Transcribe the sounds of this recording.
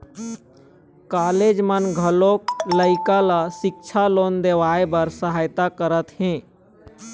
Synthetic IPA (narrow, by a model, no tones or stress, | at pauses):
kaːleːd͡ʒmənɡʱəloːkləɪkalasɪk̚t͡ʃʰaloːnd̪eːʋaːebəɾsəɦaːjt̪akəɾət̪hɛ̃ː